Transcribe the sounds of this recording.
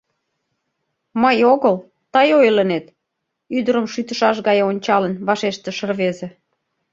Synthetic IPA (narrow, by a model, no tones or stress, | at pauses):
məjoɣəl | t̪ɑjojlənet̪ | yd̪əɾəmʃyt̪ə̆ʃɑʃ̬ɣɑjonʲt͡ɕɑlənβɑʃeʃt̪ĕʃərβezĕ